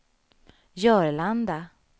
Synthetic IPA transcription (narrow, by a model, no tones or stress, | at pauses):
jœːɾɭand̪a